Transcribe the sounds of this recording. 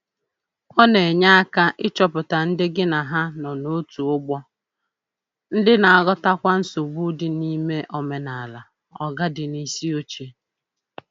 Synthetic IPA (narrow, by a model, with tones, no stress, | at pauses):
kʷɔ˦ne˨ɲa˦a˦ka˦ʔɪ˦t͡ʃɔ˨pʊ˨ta˨n̩˦dɪ˦ɡɪ˦na˨ɦa˦nɔ˨no˦tu˨ʊ˦ɡ͡bɔ˦ | n̩˦dɪ˦na˨a˨ɡɔ˦ta˦kʷa˦n̩˦so˨ɡ͡bu˦dɪ˨ni˦me˦ʔɔ˨me˨na˨la˨ | ɔ˨ɡa˦dɪ˨ni˦si˦o˦t͡ʃe˨